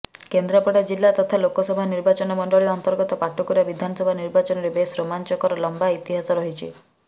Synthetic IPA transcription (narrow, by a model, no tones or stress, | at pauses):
kend̪ɾapɔɽad͡ʒilːat̪ɔt̪ʰalokɔsɔbʱaniɾbat͡ʃɔnɔmɔɳɖɔɭiɔnt̪ɔɾɡɔt̪ɔpaʈukuɾabid̪ʱanɔsɔbʱaniɾbat͡ʃɔnɔɾebesɾomant͡ʃɔkɔɾɔlɔmbait̪iɦasɔɾɔɦit͡ʃʰḭ